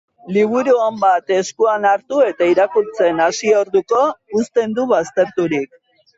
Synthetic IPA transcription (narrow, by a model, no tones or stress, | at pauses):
liβ̞uɾuambat̪e̞skuanaɾt̪ue̞t̪aiɾakult͡se̞nasio̞ɾðuko̞ust̪e̞nd̪uβast̪e̞ɾt̪uɾik̚